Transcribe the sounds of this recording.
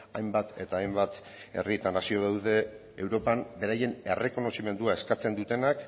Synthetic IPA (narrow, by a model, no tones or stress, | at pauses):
ajmbat̪e̞t̪aːjmbat̪ | e̞̰rit̪anasio̞ðawðe̞ː | wɾo̞pambe̞ɾaje̞ne̞re̞ko̞no̞sime̞nd̪uae̞skat͡se̞nd̪ut̪e̞nak